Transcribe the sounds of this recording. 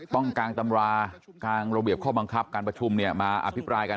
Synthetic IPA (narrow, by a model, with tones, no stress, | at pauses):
t̪ɔ˥˩ŋkaː˧ŋt̪a˧mɾaː˧ | kaː˧nɾa˧bi˨˩əp̚kʰɔː˥˩ba˧ŋkʰa˦˥p̚kaː˧npɾa˧t͡ɕʰu˧mni˥˩ɐmaː˧ʔa̰˧pʰi˦˥pɾaː˧jka˧